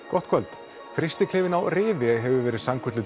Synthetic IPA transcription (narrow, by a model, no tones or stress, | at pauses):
kʰɔht̪kʰvɛlt̪ | fɾɪst̪ɪkʰlɪːvɪnawrɪːvɪɦɛvʏvɛːɾɪðsaŋkʰʏt̪lʏ